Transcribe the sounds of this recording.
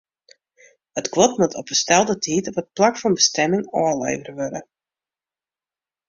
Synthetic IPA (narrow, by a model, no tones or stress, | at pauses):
hətkʋɔtmutʰɔpəstɛlˠdətʰiːtɔpət̚plakfɑnbəstɛmɪŋɔːlḛjvərʋøɾə̰